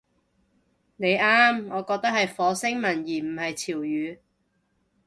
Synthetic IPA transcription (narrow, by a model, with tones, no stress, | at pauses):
ne˨˧jaː˥mŋɔː˨˧kɔː˧k̚t̪ɐ˥k̚hɐ˨jfɔː˨˧sɪ˥ŋmɐ˨˩njiː˨˩m̩˨˩hɐ˨jt͡sʰiː˨˩wjyː˨˧